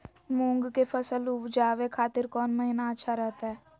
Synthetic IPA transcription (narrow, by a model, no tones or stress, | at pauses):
mũːŋɡkefəsəluʋd͡ʒaːʋekʰaːt̪ɪɾkɔːnməɦɪnaətːʃʰaɾɛɦt̪aɦɛː